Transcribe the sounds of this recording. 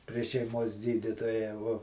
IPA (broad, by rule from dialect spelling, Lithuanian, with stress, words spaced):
pʲrʲiɛ ʃʲɛɪˈmoːs ˈɡʲiːdʲiːtoːjɛ ʋuɔ